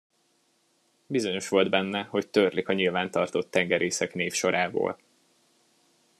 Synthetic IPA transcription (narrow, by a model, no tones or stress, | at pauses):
bizo̞ɲo̞ʃʋo̞ld̪bɛnːɛho̞ct̪ørlikɒɲilvaːnt̪ɒrt̪o̞t̪ːɛŋɡɛɾʔeːsɛkneːfʃo̞ɾʔaːbo̰ːl